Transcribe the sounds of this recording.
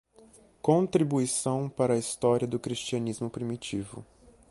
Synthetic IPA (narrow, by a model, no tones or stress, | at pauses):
kõnt̪ɾibuisɐ̃w̃paɾɐːist̪ɔɾiɐd̪ʊkɾist͡ʃiɐ̃nizmʊpɾimit͡ʃivʊ̰